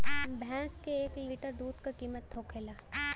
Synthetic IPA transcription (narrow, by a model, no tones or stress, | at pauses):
bʱɛ̃ːskeeːkliːʈəɾɖ̪uːd̪kakiːmət̪ːʰoːkʰeːlaː